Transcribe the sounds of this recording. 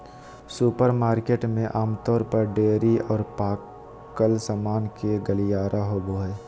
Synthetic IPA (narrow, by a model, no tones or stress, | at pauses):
suːpəɾmaːɾkeːʈmẽʔaːmt̪ɔːɾpəɾɖeːɾiɔːɾpaː | kəlsamaːnkeɡəlijaːɾʔaɦoːboɛː